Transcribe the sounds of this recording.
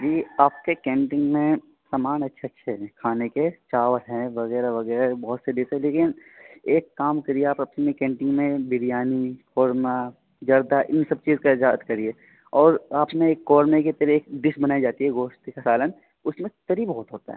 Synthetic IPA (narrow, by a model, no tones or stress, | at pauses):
d͡ʒiːaːp̚kekẽːɳʈɪ̃ŋɡmẽ | saːmaːnɐtːʃʰatːʃʰaɦɛkʰaːneket͡ʃaːʋət̪ɦɛ̃ʋɐɣɛːɾaʋɐɣɛːɾabɔɦʊt̪seɖ̪ɪsɦɛ̃leːkɪneːkːaːmkɐɾieaːpɐpnmẽkẽːɳʈɪ̃ŋɡmẽbɪɾijaːnifʰɔːɾma | d͡ʒɐɾd̪aʔɪnsɐb̚t͡ʃiːzkaɪzaːt̪kɐɾie | ɔːɾaːpnẽːkːɔːɾmeket̪ɐɾieːkɖɪsbɐnaːid͡ʒaːt̪iɦɛɡoːʃt̪ikasaːlən | ʊsmẽt̪ɐɾibɔːt̪ɦoːt̪a̰ɦɛ̰